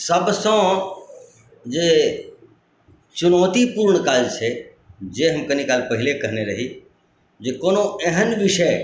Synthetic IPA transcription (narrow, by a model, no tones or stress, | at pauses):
sɐbʱsã | d͡ʒeː | t͡ʃʊnoːt̪ipuːɾɳ̃kaːd͡ʒt͡ʃʰe | d͡ʒeːɦɐmkɐnikaːlpɐɦɪlekɐɦneɾɐɦi | d͡ʒeːkoːnoɛ̃ɦənʋɪʃə